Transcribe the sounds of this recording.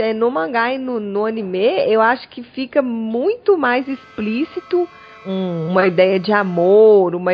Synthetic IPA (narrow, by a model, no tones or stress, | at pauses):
ɛnʊmɐ̃ɡaɪnʊnʊɐ̃nimeewaʃʊ̥kɪfikɐmũj̃t̪ʊmajzisplisit̪ʊ | ũũmɐid̪ɛjɐd͡ʒɪamoɾũmɐ